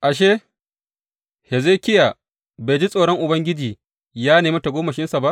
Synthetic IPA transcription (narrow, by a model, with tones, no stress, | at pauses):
ʔa˨ʃ̬eː˦ | he˨ze˦kʲɪ˦ja˨ | be˨d͡ʒi˦sʼoː˨ɽɔ˦ŋʔʊ˨bɐ˦ŋɡʲɪ˦d͡ʒiː˨ | jaː˦neː˨mɐ˦ta˨ɡʷoː˦mɐ˨ʃɪ˦nsa˨ba˦ʔ